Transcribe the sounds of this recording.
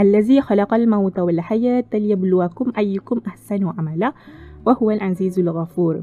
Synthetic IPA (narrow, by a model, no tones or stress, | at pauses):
ʔalːazixalɑqɑlmawt̪awɪlħajaːt̪aljablʊwakʊmʔajːʊkʊmʔaħsanwʕamalawahʊwalʕanziːzalɣafuːɾ